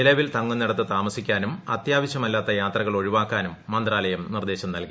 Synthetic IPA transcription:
ilɐʋilt̪ɐŋːunːiɽɐt̪ːɨt̪aːmɐsikʲːaːnumɐt̪jaːʋɐɕɐmɐlːaːt̪ːɐjaːt̪rɐɣɐɭo̞ɻiʋaːkːaːnumːɐnd̪raːlɐjɐmnird̪e̞ːɕɐmnɐlki

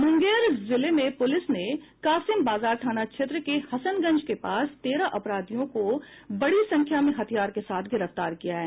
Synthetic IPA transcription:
mʊ̃ŋɡeːɾzɪlemẽpʊlɪsnekaːsɪmbaːzaːɾʈʰaːnat͡ʃʰet̪ɾəkehɐsənɡɐ̃ɲd͡ʒkepaːst̪eːɾaʔɐpɾaːd̪ijõko | bɐɽisɐ̃ŋkʰjamẽɦɐt̪ʰijaːɾkesaːt̪ʰɡɪɾəft̪aːɾkijaɦɛː

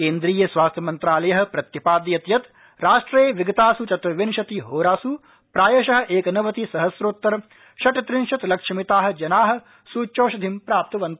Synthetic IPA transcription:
keːnd̪ɾiːjɐsʋaːst̪ʰjɐmɐnt̪ɾaːlɐjɐɦɐ̆pɾɐt̪jɐpaːd̪jɐt̪jɐt̪ | ɾaːʂʈɾeːʋiɡɐt̪aːsut͡ʃɐt̪ʋɐʋinʃɐt̪iɦoːɾaːsu | pɾaːjɐʃɐɦɐ̆ʔeːkɐnɐʋɐt̪isɐɦɐsɾoːt̪ːɐɾ | ʃɐʈɐt̪ɾinʃɐt̪lɐkʂɐmit̪aːɦɐ̆d͡ʒɐnaːɦɐ̆ | suːt͡ʃːoːʃɐd̪ʱimpɾaːp̚t̪ɐʋɐnt̪ɐ

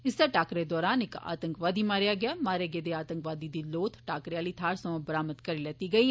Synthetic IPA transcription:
ɪseːʈaːkɾeːd̪ɔːɾaːnɪka̰ːt̪əŋkʋaːd̪iːmaːɾjaːɡɪaːmaːɾeɡeːd̪eːaːt̪əŋkʋaːd̪iːd̪iːloːt̪ʰʈaːkɾeaːləiːt̪ʰaːɾsəmãːbəɾaːməd̪kəɾiːlɛːt̪iːɡəiː

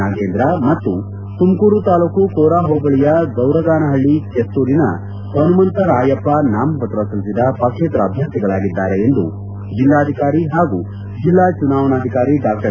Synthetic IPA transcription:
aːɡeːnd̪ɾɐmɐt̪ːu | t̪umkuːɾut̪aːluːkukoːɾaːɦoːbɐɭijɐɡɐwɾɐɡaːnɐɦɐɭːikest̪uːɾinɐ̰ | kɐnumɐnt̪ɐɾaːjɐpːɐnaːmɐpɐt̪ɾɐsɐlisid̪ɐpɐkʂeːt̪ɾɐːbʱjɐnt̪iɡɐɭaːɡid̪ːaːɾeend̪ṵ | d͡ʒilːaːd̪ʱikaːɾiɦaːɡu | d͡ʒilːaːt͡ʃunaːʋɐnaːd̪ʱikaːɾiɖaːk̚ʈɐ

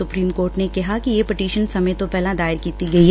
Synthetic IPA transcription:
sʊpɾiːmkoːɾʈnekɐɦakijepɪʈiːʃənsɐməjt̪opɛːlãd̪aːɪɾkiːt̪iɡɐi

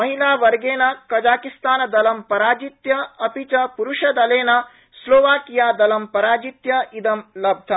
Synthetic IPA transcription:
mɐɦilaːʋɐɾɡeːnɐkɐd͡ʒaːkist̪aːnɐd̪ɐlɐmpɐɾaːd͡ʒit̪jɐɐpit͡ʃɐpuɾuʃɐd̪ɐleːnɐ | sloːʋaːkijaːd̪ɐlɐmpɐɾaːd͡ʒit̪jɐid̪ɐmlɐb̚d̪ʱɐ

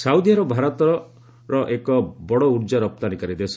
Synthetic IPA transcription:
sawd̪ʱjaɾɔbʱaɾɔt̪ɔɾɔ | ɾɔʔekɔbɔɽɔuɾd͡ʒaɾɔp̚t̪anikaɾid̪es

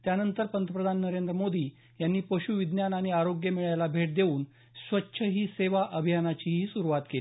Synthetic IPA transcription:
t̪janənt̪əɾpənt̪əpɾəd̪ʱanːəɾend̪ɾəmod̪iː | janːiːpəɕuʋid̪njanaɽ̃iaɾoɡjəmiɭajlabʱeʈ̚d̪euːn | sʋətːɕʰəɦiːseʋaʔəbʱijanat͡ɕiːɦiːsuɾuʋat̪keli

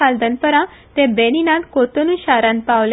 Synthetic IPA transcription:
ald̪ənpəɾãt̪ẽbeninãt̪kot̪onuɕaɾãnpaʋl

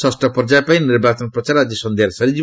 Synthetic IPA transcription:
sʌsʈʌpɔrd͡zaepaj̃nirbat͡sʌnprʌt͡saɾad͡zjʌsʌnd̪ʱeɾsʌɾid͡zi

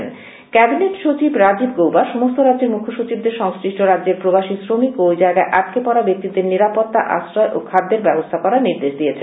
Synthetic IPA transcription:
n | kɛbineʈʃot͡ɕibɾad͡ʑibɡowbaʃumost̪oɾadːd͡ʑeɾmukʰːoʃut͡ɕibd̪eɾʃɔŋsɾiʃʈʰoɾadd͡ʑeɾpɾobaʃisɾomikojd͡ʑaeɡaeʔatkepɔɾabek̚t̪id̪eɾniɾapot̪ːa̰ʔa̰sɾɔeʔokʰad̪ːeɾbɛbost̪ʰakɔɾaɾniɾd̪eʃd̪ijet͡ɕʰe

